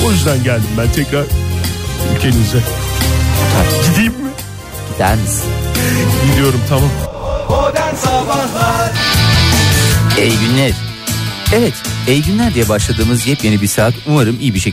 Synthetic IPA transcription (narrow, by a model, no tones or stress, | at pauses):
ojyzd̪ænɟælʲd̪imbænt̪ʰɛcɾaɾ | ylʲcʰenizd̪ɛ | aɟid̪ijimːɪ | d̪̥æ̰nis | id̪ijo̞ɾumt̪ʰamam | d̪ænsabaa | ejɟynlʲæɾ̥ | evɛt̪ejɟynlʲæɾd̪ijɛbaʃlˠad̪ɯːmɯzjɛpjenibiɾsaːt̪ʰuvaɾɯmijibiʃec